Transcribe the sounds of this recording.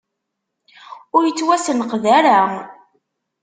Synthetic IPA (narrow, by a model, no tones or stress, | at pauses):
ʊɾjət͡sːwæsənəqðæɾæ